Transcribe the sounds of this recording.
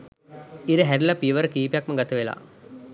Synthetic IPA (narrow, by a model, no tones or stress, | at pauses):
iɾəɦæɾilapiʋəɾəkiːpejakməɡat̪əʋela̰